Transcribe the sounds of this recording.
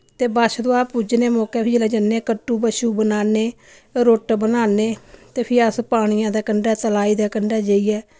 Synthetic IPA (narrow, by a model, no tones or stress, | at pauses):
t̪eːbaʃd̪oaːpuːd͡ʒneːmɔːkɛːpʰid͡ʒlɛːd͡ʒəneːkəʈːuːbəʃuːbənaːneː | ɾoːʈbənaːneːt̪eːpʰɪəspaːɽ̃ijãːd̪aːkəɳɖɛːt̪əlaːiːd̪aːkəɳɖɛːd͡ʒəiːɛː